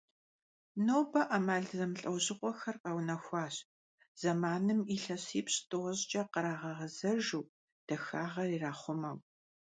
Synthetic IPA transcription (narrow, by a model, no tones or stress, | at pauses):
noːbɐʔɐmaːɮzɐmɬʼɐwʑɪqʷʼɔxɐrqɐwnɐxʷɑːɕ | z̥ɐmaːnɨmiːɬɐɕiːpɕtʼoʁʑt͡ʃʼɐqəɾaːʁɐʁɐzɐʒuː | d̥ɐxaːʁɐriːraːχʷʊmɐŋ